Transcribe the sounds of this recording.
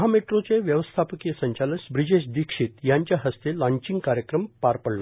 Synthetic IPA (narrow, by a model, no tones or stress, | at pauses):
ɦameʈɾot͡seʋjəʋəst̪ʰapəkijəsəɲt͡ɕalənsbɾid͡ʑeɕd̪ikʂit̪jaɲt͡ɕjaɦəst̪elãɲt͡ɕĩŋɡkaɾjəkɾəmpaɾpəɽlo